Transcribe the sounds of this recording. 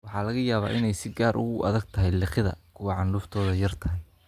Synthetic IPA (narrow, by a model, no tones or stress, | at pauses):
wɑħɑːlɐɣɐjaːβa̰ːʔɪnɛjsɪɡaːɾʔʊ̰ɣʊʔɐ̰ðɐɡ̚t̪ʰɐɦɛjlɪχɪðɐ̰kʰʊwɑʕɑɳɖuːft̪ʰɔːðɐjɐrt̪ʰɐɦɛj